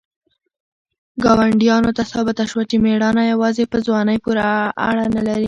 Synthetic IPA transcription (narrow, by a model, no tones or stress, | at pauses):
ɡɑwaɳɖjɑnot̪asɑbɪt̪aʃwat͡ʃemeɽɑnajawɑzepəzwɑnəjpuɾaa̰ɽanalaɾi